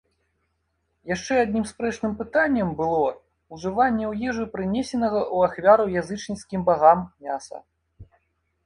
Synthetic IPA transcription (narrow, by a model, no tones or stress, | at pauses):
jaʂt͡ʂɛad̪ʲnʲimspɾɛt͡ʂnɨmpɨt̪anʲːɐmbɨlˠɔ | uʐɨvanʲːɛwjɛʐɨpɾɨnʲɛsʲɛnɐɣɐʔuaxvʲaɾɐwjazɨt͡ʂnʲiskʲimbaɣamjʲasɐ̰